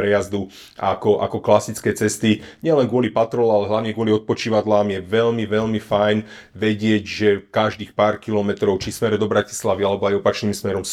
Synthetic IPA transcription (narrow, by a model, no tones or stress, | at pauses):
ɾɛjazd̪u | akɔʔa̰kɔklasit͡skɛːt͡sɛst̪iɲɪɛlɛnɡʊɔlipat̪ɾɔlalɛɦlaʊɲɛɡʊɔliɔt̪̚pɔt͡ʃiːʋad̪laːmjɛʋɛʎmiʋɛʎmifajn | ʋɛɟɪɛɟʒɛkaʒd̪iːxpaːɾkilɔmɛt̪ɾɔʊt͡ʃismɛɾd̪ɔbɾaci̥slaʋialɛbɔajɔpat͡ʃniːmsmɛɾɔms